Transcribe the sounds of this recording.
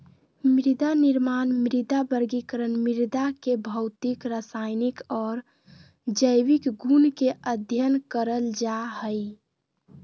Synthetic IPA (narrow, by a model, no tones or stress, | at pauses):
mɾid̪aniɾmaːnmɾid̪abəɾɡikəɾənmiɾd̪akebʱəʊt̪ikɾasaɪnikɔːɾ | d͡ʒəjʋikɡunkeʔəd̪ʱjənkəɾəld͡ʒaɦəj